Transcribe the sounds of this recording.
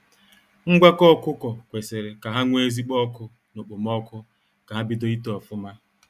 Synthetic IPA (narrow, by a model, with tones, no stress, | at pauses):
ŋ̩˦ɡʷa˦kɔ˦kʊ˦kɔ˨kʷe˨se˨ɾe˨ka˨ɦa˦ŋʷ˦e˦zi˦k͡pɔ˦kʊ˦ | no˨k͡po˨m˦ɔ˦kʊ˦ | ka˨ɦa˦bi˦do˦i˦tɔ˨fʊ˦ma˦